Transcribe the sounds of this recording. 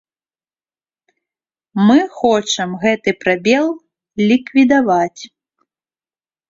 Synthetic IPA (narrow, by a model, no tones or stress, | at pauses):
mɨxɔt͡ʂɐmɣɛt̪ɨpɾabʲɛlˠ | lʲikvʲid̪avat͡sʲ